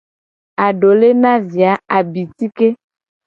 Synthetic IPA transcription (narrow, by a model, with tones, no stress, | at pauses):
a˨ɖo˨le˦nã˦vi˨a˨a˨bi˨t̪i˦ke˦